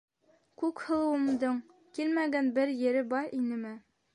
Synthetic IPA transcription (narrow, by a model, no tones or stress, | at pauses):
kʉkhɤ̆lˠɤ̆wɤ̆md̪ɤɴ | kilmæɡænbɘɾjɘ̆ɾɘbɑɾinɘmɘ